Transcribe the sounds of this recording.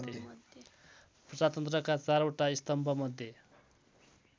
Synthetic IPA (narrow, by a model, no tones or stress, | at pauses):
t̪e | prʌd͡zat̪ʌnt̪rʌkat͡saɾoʈaist̪ʌmbʱʌmʌd̪ʱje